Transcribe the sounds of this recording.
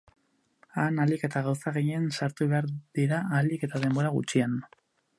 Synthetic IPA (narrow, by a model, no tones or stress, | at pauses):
analike̞t̪aɣawsaɣejensaɾt̪uβe̞aɾðiɾaʔalike̞t̪aðembo̞ɾaɣ̞ṵt͡ʃian